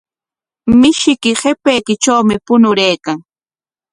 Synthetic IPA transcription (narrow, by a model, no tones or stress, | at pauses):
mɪʃɪkɪhepejkɪt͡ʃawmɪpʊnʊɾejkaŋ